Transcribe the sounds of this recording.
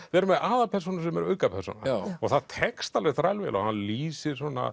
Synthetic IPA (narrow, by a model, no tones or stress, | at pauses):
vɛɾʏmɛðaːðapʰɛr̥sunʏɾs̬ɛmɛɾœːɥkapʰɛrsṵna̰ɔɣθaðt̪ʰɛkst̪alɛxt̪ɾajlvɛ̰lɔ̰ɣhanːliːsɪɾ̥sɔnːa̰